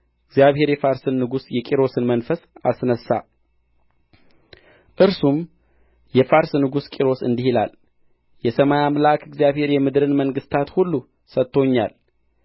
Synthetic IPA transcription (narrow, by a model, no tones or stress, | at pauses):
ɨɡzijaβhe̞ɾjɛfaɾsɨnːɨɡusjɛkʼiɾo̞sɨnmənfəsa̰snəsːa̰ | ʔɨɾsum | jɛfaɾsnɨɡuskʼiɾo̞sɨ̰nd̪ihila̰l | jɛsəmajamlakʰɨɡzjaβhe̞ɾjɛmɨd̪ɨɾɨnməŋɡɨst̪ʰat̪hulːu | sət̪ʰːo̞ɲːa̰l